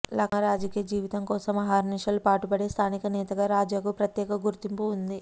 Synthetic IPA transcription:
lɐkɐɾaːd͡ʒɐkijɐd͡ʒiːʋit̪ɐŋkɔːsɐmɐɦaːɾniʃɐlupaːʈupɐɽeːst̪ʰaːnikɐnɛːt̪ɐɡaːɾaːd͡ʒaːɡupɾɐt̪jɛːkɐɡuɾt̪impuːnd̪i

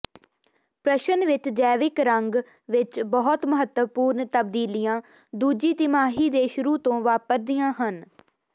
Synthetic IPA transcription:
pɾəʃənʋɪt͡ʃd͡ʒɛːʋɪkɾəŋɡ | ʋɪt͡ʃbəɦʊt̪məɦət̪əpuːɾnt̪əb̚d̪iːlijãː | d̪uːd͡ʒiːt̪ɪmaːɦiːd̪eːʃʊɾuːt̪õːʋaːpəɾd̪ɪjãːɦən

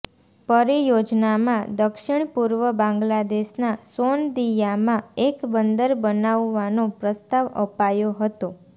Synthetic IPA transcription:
pəɾijod͡ʒnamãd̪əkʃɪɳpuɾʋəbãŋɡlad̪eʃnasond̪ijamãekbənd̪əɾbənaʋːanopɾəst̪aʋə̰pajoɦət̪o

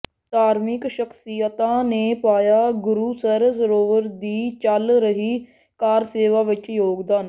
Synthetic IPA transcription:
t̪aːɾmɪkʃəksijət̪ãːneːpaːjaːɡʊɾuːsəɾsəɾoːʋəɾd̪iːt͡ʃəlɾəɦiː | kaːɾseːʋaːʋɪt͡ʃjoːɡd̪aːn

